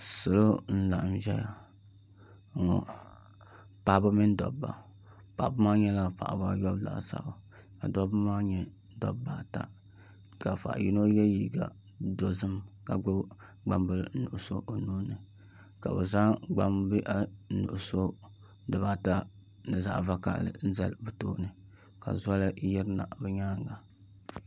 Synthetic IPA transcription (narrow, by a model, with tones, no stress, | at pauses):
sɨ˨lo˦n̩˦la˨ʔa˨mʒɛ˦ja˨ | ŋɔ̰˨ | pa˨bɨ˦mɨ˦n˦dɔ̰˨bːa̰˨ | pa˨bɨ˦maː˦ɲɛ˦la˦pa̰˨ʔba˦jɔ˦bla̰˨ʔsa̰˨bo˨ | ka̰˨dɔ˦bɨ˦maː˦ɲɛ˦ | dɔ̰˦bbːa˨ta̰˦ | ka˨fa̰˨ʔji˦no˦jɛ˦jiː˨ɡa̰˨ | do˨zɨ˦mka˨ɡ͡bo˦ | ɡ͡ba˦mbɨ˦lnu˨ʔso̰˦ʔo˨nuː˦nɨ˨ | ka̰˨bɛ̰˨za˦ɡ͡ba˨mbɨ˦ʔa˦nṵ˨ʔso˦ | dɨ˨βa˦ta˦ | nɨ˨za̰˦ʔva˦ka̰˦ʔlɨ̰˨n̩˦za˦lbɨ˨toː˦nɨ˨ | ka̰˨zɔ˦lɨ˦ji˦ɾɨ˦na̰˨bɛ˦ɲaː˦˨ŋ˦ɡa˨